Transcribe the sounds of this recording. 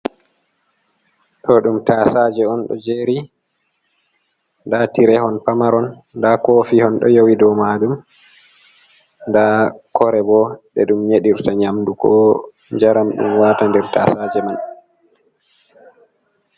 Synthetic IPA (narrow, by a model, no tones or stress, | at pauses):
ɗɔɗumtasad͡ʒɛɔnɗɔ̰d͡ʒeːɾi | ndatiɾɛhɔnpamaɾɔnː | dakofihɔnɗɔ̰jowidɔmadum | ndakʰɔɾɛbɔɗɛ̰ɗumɲeɗiɾtaɲamdukɔ̰ | d͡ʒaɾamɗṵmwaːtandɛɾtasaːd͡ʒɛman